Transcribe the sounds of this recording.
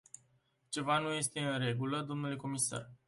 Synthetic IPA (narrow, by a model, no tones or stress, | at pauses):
t͡ʃe̞vanuje̞st̪e̞ɨnre̞ɡuləd̪o̞mnule̞ko̞misa̰r